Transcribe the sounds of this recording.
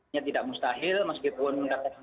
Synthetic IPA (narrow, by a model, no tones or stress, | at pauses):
at̪idaʔmust̪aɦɪlməskipʊnməŋkat̪aka